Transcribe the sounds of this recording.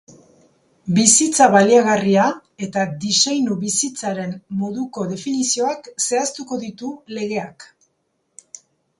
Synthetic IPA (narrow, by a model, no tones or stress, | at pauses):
bisit͡saβaliaɣaria | e̞t̪ad̪isejnuβisit͡saɾe̞mːo̞ðuko̞ðe̞finisio̞akse̞ast̪uko̞ðit̪ule̞ɣe̞ak